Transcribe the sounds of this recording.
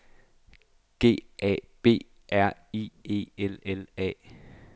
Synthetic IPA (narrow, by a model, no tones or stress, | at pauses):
ɡ̥e̝̰ːʔɛ̰ːb̥e̝̰ː | ʔæɐ̰ie̝̰ːelelɛ̰ː